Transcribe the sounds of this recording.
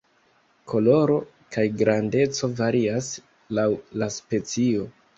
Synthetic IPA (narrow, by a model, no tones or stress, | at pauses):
ko̞lo̞ɾo̞ | kajɡɾande̞t͡so̞vaɾias | lawlaspe̞t͡sio̞